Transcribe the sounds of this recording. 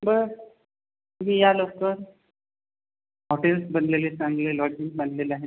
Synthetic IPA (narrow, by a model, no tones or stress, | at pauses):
bə | ɦijaloktəɾ | ɔʈelsbənlelesãŋɡlelɔd͡ʑinbanlelaɦe